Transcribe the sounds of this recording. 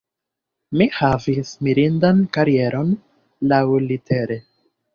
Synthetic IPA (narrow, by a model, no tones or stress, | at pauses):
mihavismiɾindankaɾie̞ɾʔo̞n | lawlitʰe̞ɾe̞